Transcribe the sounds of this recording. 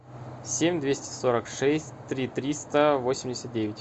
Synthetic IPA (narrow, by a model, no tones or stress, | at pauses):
sʲemʲd̪vʲesʲtʲɪ̥so̞ɾəkʂɛsʲtʲt̪ɾʲit̪ɾʲist̪əvo̞sʲɪmʲdʲɪsʲət̪̚dʲevʲɪtʲ